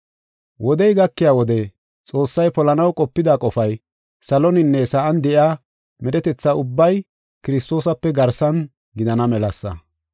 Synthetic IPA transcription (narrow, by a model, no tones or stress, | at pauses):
wʔɔd̪ɛjɡɐkːɪjaːwɔd̪ɛ | t͡sʼo̞ːsːɐjpɔlɐnɐwkʼɔpːɪd̪aːkʼɔfɐj | sɐlɔnɪnːɛsaʔɐnd̪ɛʔɪaː | mɛdɛt̪ɛt͡sːaʊbːɐj | kɪɾɪst̪o̞ːsɐpːɛɡɐɾsɐn | ɡɪd̪ɐnɐmɛlɐsːɐ̰